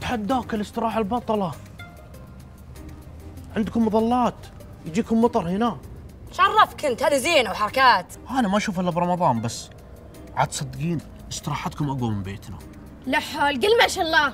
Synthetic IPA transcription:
t̪ħad̪ːaːkɪlɪst̪ɨɾˤɑːħalbɑt̪ˤɑlɑ | ʕɪnd̪kʊmːʊðˤɑlːɑːt̪ | jd͡ʒiːkʊmːɑt̪ˤɑɾˤhɪnaʃʕɑrˤːɑfkɪnt̪haːðiziːnawħɑɾˤɑkaːt̪ | ʔanamaʔaʃuːfʔɪlːabɾˤɑmɑðˤɑːnbasː | ʕa̰ːd̪sˤɑd̪ːɡiːn | ʔɪst̪ɨɾˤɑːħat̪kʊmʔaɡamɪmbeːt̪na̰ | laħoːlɡɪlmaʃalˤːɑː

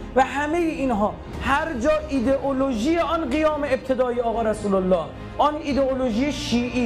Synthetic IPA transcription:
væɦæmejeinɦɒː | hæɾd͡ʒɒːʔid̪eʔoloʒijeɒːnɢijɒːmeeb̚t̪ʰed̪ɒːeɒːɣɒːɾæsuːlolːɒːh | ʔɔniːd̪eoloʒijeʃiːʔiː

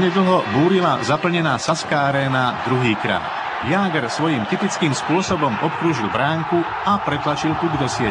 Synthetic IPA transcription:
ɲɛd̪l̩ɦɔbuːɾila̰zapl̩ɲɛnaːsaskaːaɾɛːnad̪ɾuɦiːkɾa̰ːt̪ | jaːɡɾsʋɔjimt̪ipit͡skiːmspʊɔsɔbɔmɔp̚kɾuːʒilbɾaːŋku | apɾɛt̪lat͡ʃilt̪uɡd̪ɔsɪɛ

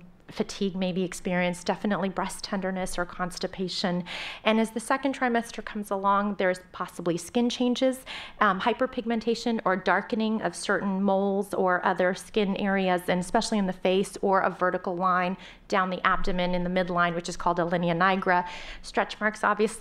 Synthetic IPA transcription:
fɨtʰiɡ̚meɪbiɨkspɪɹiɨ̃nsd̥ɛfɨnəʔˡlibɹɛstʰɛ̃ndə˞nɨsə˞kʰɑ̃nstɨpʰeɪʃɨ̃nɨ̃nɨzðɨsɛkntʰɹ̥aɪmɛstə˞kʰʌ̃mzəlɔ̃ŋðə˞ɨz̥pʰɑsəbliskɪ̃nt͡ʃʰẽɪ̃nd͡ʒɪz̥haɪpə˞pʰɪɡ̚mɨ̃ntʰeɪʃɨ̃nə˞dɑɹkɨnɪ̃ŋʌ̰v̥sɜ˞ʔn̩moʊlˠzə˞ʔʌðə˞skɪ̃nɛɹiɨzɨ̃nɨspɛʃl̩ˠiɨ̃nðɨfeɪsə˞ʔʌ̰vɜ˞ɾɨkl̩ˠlãɪ̃n | d̥ãʊ̃nðiʔæp̚tɨmɨ̃nɨ̃nðɨmɪdˡlãɪ̃nwɨt͡ʃɨz̥kʰɔlˠdəlɪ̃niɨnaɪɡɹəstɹ̥ɛt͡ʃmɑɹksɑ̰bviɨs

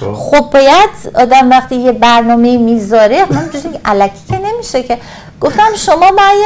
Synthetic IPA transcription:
χob̚ːɒːjæd̪̥ɒːd̪æmvæχt̪iːjebæɾnɒːmeiːmiːzɒːɾemænd͡ʒoziʔælæcʰi̥cʰene̞miʃecʰe | ɡ̥o̞ft̪æmʃomɒːbæj

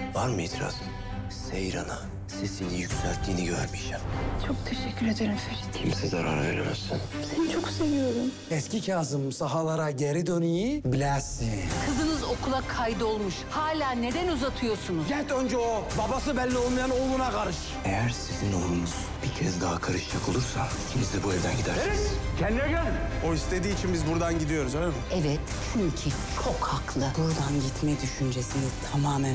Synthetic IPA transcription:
vaɾmijt̪ʰɾa̰s | sejɾana̰ | sesinijycʲsælʲt̪ʰːiːniɟø̰ɾmiʃɛmt͡ʃʰok̚t̪ʰeʃɛcʰːyɾed̪eɾimfeɾit̪imsizaɾa̰ɾ̰vḛɾemɛ̰ɾsinsent͡ʃʰo̞kse̞vijo̞ɾum | ɛscʰicʰaːzɯmsaɦalˠaɾaɟeɾid̪ønejibilʲæɾsikʰɯzɯnɯzo̞kʰulˠakʰajd̪ɯo̞lˠmuʃhaːlʲaːne̞d̪ænuzat̪ʰɯjo̞sunuzɟɛnʲt̪ø̞nd͡ʒɛobabasɯbælʲːiolˠmajanolˠunaɡʰaɾɯʃ | ejæɾsizino̞̰lˠunuz̥bicʰɛzd̪aɦakʰaɾɯʃt͡ʃʰakʰolˠuɾsa̰icʰimizd̪ɛbuɛvd̪æ̰nɟid̪æɾesɾcʰɛnd̪iiɛɟølinoist̪ʰe̞d̪iːt͡ʃʰinbizbuɾd̪anɟid̪ijo̞ɾuzømuɛvɛt̪t͡ʃʰyɲcʰit͡ʃʰokhaklˠɯbuɾd̪anɟit̪mɛd̪yʃynd͡ʒesiniz̥t̪ʰamaːmæn

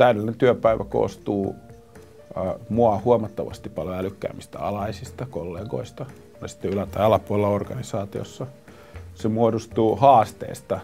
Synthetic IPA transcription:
t̪æyɾelːinent̪yøpæiʋæ̰ko̰ːst̪uː | moɑhuomɑt̪ːɑʋɑ̰st̪ippːɑljoælykːæ̰ːmist̪æ̰ɑ̰lɑisist̪ɑkolːeːɡo̰ist̪ɑ | nɑsi̥t̪ːeylæt̪ɑiɑlɑpuolelːɑorɡ̥ɑnisɑːt̪io̰sːɑ | semuodust̪uːhɑːst̪ḛːst̪ɑ

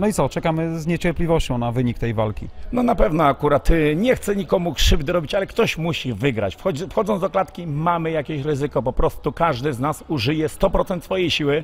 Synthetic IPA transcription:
nɔit̪sɔt͡ʂɛkamɘzɲet͡ɕɛɾplʲivɔɕt͡ɕɔ̃w̃navɘɲik̚t̪ɛjvalkʲḭnɔnapɛvnɔakuɾat̪ɲɛxt̪sɛɲikɔmukʂɘvd̪ɘɾɔbʲit͡ɕalɛkt̪ɔɕmuɕivɘɡɾa̰t͡ɕfxɔd͡ʑfxɔd̪ɔnd̪ɔklat̪kʲimamɘjakʲeɕɾɘzɘkɔpɔpɾɔst̪ukaʐd̪ɘznasuʐɘjɛst̪ɔpɾɔt̪sɛnt̪sfɔjejɕiwɘ

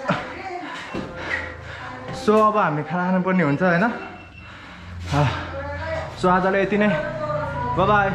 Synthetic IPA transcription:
soʌbʌɦamikʰanakʰananpʌrniɦunt͡sʰʌɦʌjnʌ | soad͡zaleet̪inʌj | bʌba

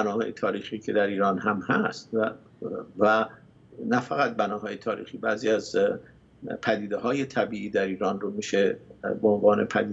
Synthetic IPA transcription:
bænɒːhɒ̰ːjet̪ʰɒːɾiːxiːcʰe̞d̪æɾiːɾɒːnhæmhæst̪ | væ | næfæɣæt̪̚bænɒːɦɒːjet̪ʰɒːɾḭːxiːbæːziːæz | pʰæd̪iːd̪eɦɒːjet̪ʰæbiːʔiːd̪æɾiːɾɒːnromiːʃebeonvɒːnepʰæd̪iː

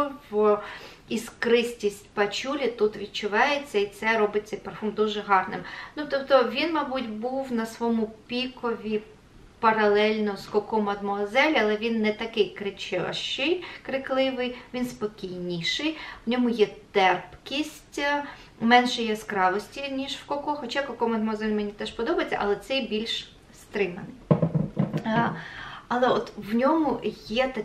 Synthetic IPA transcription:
w | iskɾɪsʲtʲisʲtʲpɐt͡ʃʲulʲit̪ut̪ʋʲid̥̪̚t͡ʃʊʋɑjet͡sʲːɐit̪sɛɾɔbɪt͡sʲːɐpɐfɔmd̪uʒɛɦɑrnɪ̰mnut̪ɔpt̪ɔʋʲinmɑbutʲbuwnɐsʋɔmʊpʲikɔʋʲi | pɐɾɐlˠɛlʲnɔz̥kɔkɔmɐd̪mɔɐzɛlʲɐlˠɛʋʲinːɛt̪ɐkɪjkɾɪt͡ʃɪɐ̰ʃt͡ʃɪjkɾɪklˠɪʋɪjʋʲinspɔkʲijnʲiʃɪjwnʲɔmʊjɛt̪ɛrpkʲisʲtʲ | mɛnʃɛjɛskɾɑʋɔsʲtʲinʲiʃwkɔkɔxɔt͡ʃakɔkɔmɐd̪mɔɐzɛlʲmenʲit̪ɛʃpɔd̪ɔbɐjet͡sʲːɐ̰ʔɐlˠɛt̪sɛjbʲilʲʃ | st̪ɾɪmɐnɪj | ɐlˠɛɔt̪wnʲɔmʊjɛt̪ɐ

